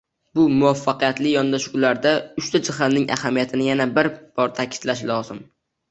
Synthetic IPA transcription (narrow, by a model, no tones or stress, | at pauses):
bʊmʊafːaqijat̪lɪjɒnd̪aʃulaɾd̪aʊʃt̪ʰad͡ʒɪhalnɪŋʔa̰hamijat̪ʰɪnɪjanabɪɾb̥ɒɾt̪ʰakʲʰɪ̥t̪laʃlɒzɪm